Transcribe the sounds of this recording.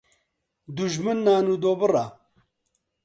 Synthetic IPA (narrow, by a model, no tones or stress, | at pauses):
d̪uʒmɨnːaːnud̪oːbɨra